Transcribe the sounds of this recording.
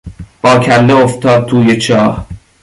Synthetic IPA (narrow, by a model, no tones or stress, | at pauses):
b̥ɒːkʰælːeoft̪ʰɒːd̪̚t̪ʰuːjet͡ʃʰɒːh